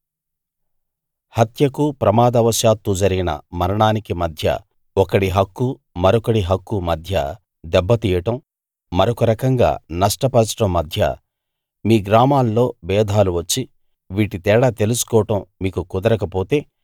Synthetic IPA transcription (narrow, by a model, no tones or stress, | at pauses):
hɐt̪jɐkupɾɐmaːd̪ɐʋɐʃjaːt̪ud͡ʒɐɾiɡinɐ̰mɐɾɐɳaːnikimɐd̪ʱjɐ̰ | ɔkɐɽiɦɐkːu | mɐɾɔkɐɽiɦɐkːumɐd̪ʱjɐ̰ | d̪ɛbːɐt̪iːjɐʈɐmː | ɐɾɔkɐɾɐkɐŋɡa̰ːnɐʂʈɐpɐɾt͡ʃɐ̥ʈɐmːɐd̪ʱjɐ̰ | miːɡɾaːmaːlːo̞ːbɛːd̪ʱaːluʋɐt͡ʃːi | ʋiːʈit̪ɛːɽat̪e̞lusu̥kɔːɐʈɐmːiːkukud̪ɐɾɐkɐpo̞ːt̪e̞ː